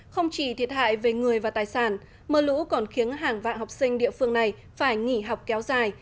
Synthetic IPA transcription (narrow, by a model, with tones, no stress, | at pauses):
xə˧wŋ͡mt͡ɕi˧˩t̪ʰi˨˩ət̚ha̰ː˧˨jve˨˩ŋɨ˨˩əjvaː˨˩t̪aː˨˩jsaː˧˩n | məː˨˩lṵ˧˥kɔ˨˩nxi˨˦ənɦaː˨˩ŋva̰ː˧˨nhɔ˨˩wk͡p̚sï˧ŋ̟ɗḭ˧˨əfɨ˧əŋna˨˩j | faː˧˩jŋi˧˩ɦa˨˩wk͡p̚kɛ˨˦wzaː˨˩j